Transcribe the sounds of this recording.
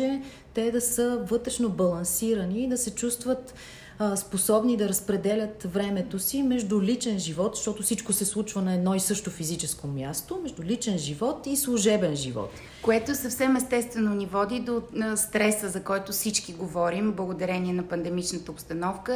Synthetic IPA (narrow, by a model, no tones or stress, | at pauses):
ɛ | t̪ɛd̪ɐsəvɤt̪ɾɛʃnobɐlˠɐnsiɾəniːd̪ɐsɛt͡ʃust̪vət̪ | sposɔbnid̪ɐɾəspɾɛd̪ɛlʲət̪vɾɛmɛt̪osimɛʒd̪ʊlit͡ʃɛnʒivɔt̪ʃt̪ɔt̪osit͡ʃkosɛslˠut͡ʃvənɐɛd̪nɔisɤʃt̪ofizit͡ʃɛskomʲjast̪omɛʒd̪ulit͡ʃɛnʒivɔt̪islˠuʒɛbɛnʒivɔ̰t̪ | koɛt̪oɛsɐfsɛmɛst̪ɛst̪vɛnonivɔd̪id̪ost̪ɾɛsəzɐkɔjt̪osit͡ʃkiɡovɔɾimblˠəɡod̪ɐɾɛniɛnɐpɐnd̪ɛmit͡ʃnət̪əopst̪ɐnɔfkə